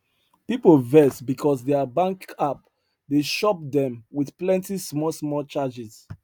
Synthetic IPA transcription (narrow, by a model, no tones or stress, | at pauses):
pipolvɛsbikʰɔsdɛəbãŋkap̚ | deʃɔp̚dɛ̃mwiθplɛ̃ntismɔlsmɔlt͡ʃad͡ʒis